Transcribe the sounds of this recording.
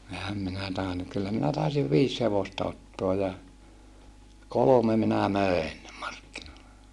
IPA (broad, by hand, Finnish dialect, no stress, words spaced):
ehæm minæ tɑˑenu kylːæ minæ tɑˑisiʋ ʋiːs heʋostɑ otːoɑ jɑ kolome minæ møˑen mɑrkːinoilːe